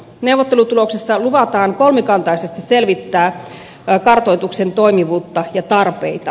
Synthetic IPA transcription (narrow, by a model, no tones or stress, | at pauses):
newʋˑot̪ːelut̪uloksesːɑluʋɑt̪ɑːŋkolmikɑnt̪ɑisest̪isselʋit̪ːæː | kɑrt̪oit̪uksent̪oimiʋuːt̪ːɑjɑt̪ɑrpeit̪ɑ